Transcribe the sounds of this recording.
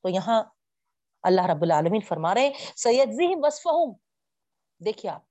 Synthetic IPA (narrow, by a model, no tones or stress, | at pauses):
t̪ojɐɦã | ɐlːaːɦɾɐbːʊlaːlɐmiːnfɐɾmaːɾɐɦẽsɐjɐd͡ʒziɦɪmʋɐsfɐɦʊm | d̪eːkʰiea̰ːp̚